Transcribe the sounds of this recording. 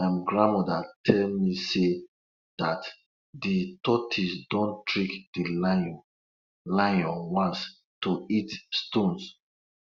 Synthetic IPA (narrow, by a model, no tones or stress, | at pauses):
ãmɡɹãnmɔdatʰɛlmise | d̥at | ditɔtʰisdõntɹikd̥il | lãɔ̃wãns | toitstõns